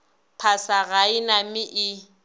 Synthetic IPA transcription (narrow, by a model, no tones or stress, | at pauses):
pʰasaɣaɪnamɪʔɪ